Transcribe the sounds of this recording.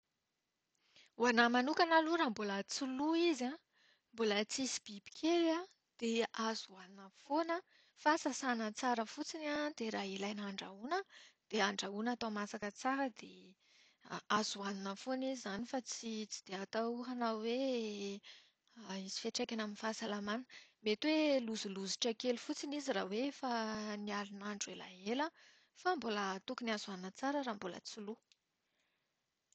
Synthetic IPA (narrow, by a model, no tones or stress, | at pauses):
wanamanukʲanaluɾambulət͡suluiza | mbulət͡sisi̥b̥ibi̥kʲʰela | d̪̥eazuaninəfonə | fasasanət͡saɾəfut͡sinad̪eɾailajnaɳɖ͡ʐaunəd̪̥eaɳɖ͡ʐaunat̪amasakət͡saɾəd̪e | azuaninəfonizizːanifat͡sit͡si̥d̪̥eat̪awɦanawe | izi̥feʈ͡ʂejkʲanaminifasalamanə̥met̪weluzuluzi̥ʈ͡ʂəkelufut͡siniziɾawefaniaɾinaɳɖ͡ʐuela̰elə | fambolət̪ukuniazuaninət͡saɾəɾaːmbolə̰t͡sulu